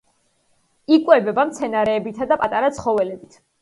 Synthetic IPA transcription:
ikʼwɛbɛbamt̪sʰɛnaɾɛːbit̪ʰad̪apʼat̪ʼaɾat̪sʰχɔvɛlɛbit̪ʰ

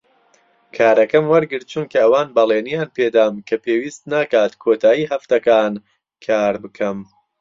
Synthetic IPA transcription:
kʰaːɾʔɐkɐmwɐɾɡɨɾt̪̚t͡ʃʰunkʰɐːwaːnbɐlˠeːnijaːnpʰeːd̪aːmkʰɐpʰeːwiːst̪naːkaːt̪kʰoːt̪ʰaːjiːɦɐft̪ɐkaːn | kʰaːɾbɨkʰɐm

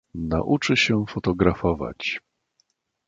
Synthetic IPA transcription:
na̰ʔut͡ʂɘɕɛfɔt̪ɔɡɾafɔva̰t͡ɕ

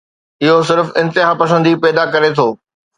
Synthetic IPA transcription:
ɪɦosɪɾfɪ̃nt̪ɪɦapɐsə̃nd̪ipɛːd̪akɐɾet̪ʰoː

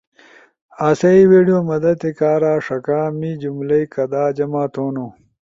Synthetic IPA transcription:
aːsɐiweːɖijoːmɐd̪ɐt̪ekaːɾaːʂɐkaːmid͡ʑumlɐjkɐd̪aːd͡ʑɐmaːt̪oːnoː

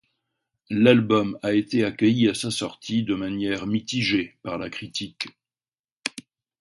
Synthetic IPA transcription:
lalbɔmaet̪eakʲəjiasasɔʁt̪ʰid̪əmanjɛʁmit̪iʒepaʁlakχit̪ʰik

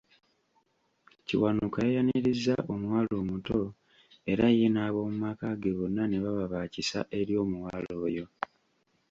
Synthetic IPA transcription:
cḭwanukaejaniɾizːaʔonwaːlo̞ːmuto̞ | e̞ɾajenaːβo̞mumakaɡe̞βonːane̞βaβaβaːcisa̰ʔe̞ɾjo̞ːmuwaːlo̞ːjo̞

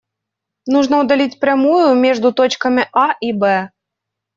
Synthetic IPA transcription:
nuʐnɐwd̪alʲit͡sʲpɾʲamujumʲɛʐd̪ut̪ɔt͡ʃkɐmʲiʔaibɛ

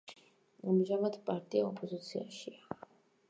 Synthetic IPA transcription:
amʒamad̪pʼaɾt̪ʼiaɔpʼɔzit̪sʰiaʃia

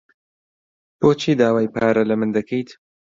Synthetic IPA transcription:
b̥oːt͡ʃʰiːd̪aːwaːjpʰaːɾɐlɐmɨnd̪ɐkʰejt̪

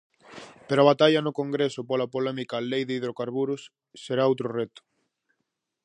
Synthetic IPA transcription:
peɾoaβat̪aʎɐnʊkoŋɡɾesʊpolapolɛmikalejðeiðɾokaɾβuɾʊs | seɾaowt̪ɾorɛt̪ʊ̥

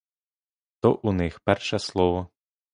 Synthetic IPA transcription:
t̪ɔʔunɪxpɛrʃɛslˠɔʋɔ

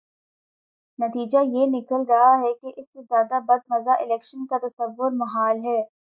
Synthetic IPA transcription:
nɐt̪iːd͡ʒajenɪkəlɾɐɦaɦɛkeʔɪsːezjaːd̪abɐd̪̚mɐzaʔɪlɛːkʃənkat̪ɐsɐʋːʊɾmɐɦaːlɦɛː

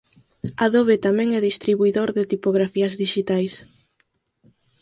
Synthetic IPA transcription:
aðoβet̪amɛ̃ŋɛðist̪ɾiβuiðoɾðɪt̪ipoɣɾafiɐzðiʃit̪ajs

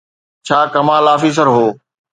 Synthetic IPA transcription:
t͡ɕʰaːkɐmaːlaːfiːs̬əɾɦoː

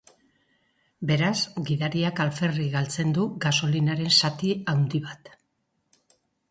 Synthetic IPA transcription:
be̞ɾasɡiðaɾiakalfe̞riɣalt͡se̞nd̪uɡaso̞linaɾe̞nsat̪iawnd̪iβat̪

